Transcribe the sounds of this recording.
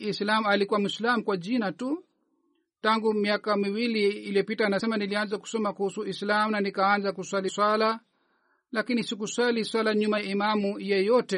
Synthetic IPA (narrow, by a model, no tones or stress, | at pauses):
islamualikuwamuislamukwad͡ʒinatu | taŋɡumiakamiwiliːlijɔpitaːnasɛmanilianzaku̥sɔmakuhusuislamunanikaanzakuswaliswala | lakinisikuswaliswalaɲumaimamujɛjɔtɛ